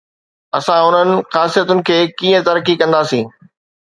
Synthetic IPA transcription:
ɐsãʊn̤ənɪ̆xaːsijət̪ʊnɪ̆kʰeːkiːə̃t̪ɐɾkikɐ̃nd̪aːsĩː

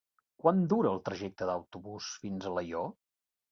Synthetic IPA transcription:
kwand̪uɾəːlˠt̪ɾəʒɛk̚t̪əd̪əwt̪uβusfinzələjo

